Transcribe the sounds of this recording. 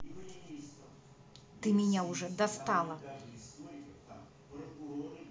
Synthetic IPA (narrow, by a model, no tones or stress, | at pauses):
t̪ɨmʲinʲawʐɛd̪ast̪alˠɐ